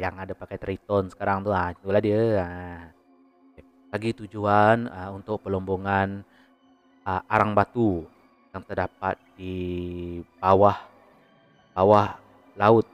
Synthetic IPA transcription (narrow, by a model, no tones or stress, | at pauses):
jaŋadapakajt̪ɾit̪ɔnsə̥kaɾaŋt̪uat͡ʃuladiəa | laɡit̪ud͡ʒuanəunt̪ʊk̚pəlɔmboŋan | əʔaɾaŋbat̪u | jaŋt̪ərdap̚a̰t̪̚di | bawah | b̥awah | laʊt̪̚